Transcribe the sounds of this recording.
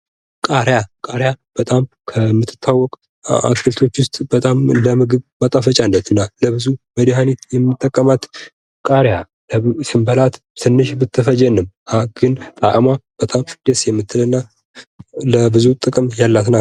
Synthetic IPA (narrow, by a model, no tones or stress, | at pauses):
kʼaɾjakʼaɾjab̥ət̪ʼam | kʰəmːɨt̪ʰːɨ̥t̪ʰːawːɔkʼ | a̰skʰɨlt̪ʰo̞t͡ʃːwʊst̪ʼbət̪ʼamləmɨɡɨβbat̪ʼafət͡ʃʼanːət̪ʰɨnːaləbɨzuməd̪iɦanet̪jɛmːɨt̪ʼːəkʼːəmat̪ | kʼaɾja | ləsɨmbəlat̪ | sɨnːɨʃbɨt̪ʰːɨfəd͡ʒɛnːɨm | aɡ̥ɨnt̪ʼaʔʼmab̥ət̪ʼamd̪̥esjɛmːɨt̪ʰːɨlɨnːa | ləbɨzut̪ʼɨkʼɨmjalːat̪na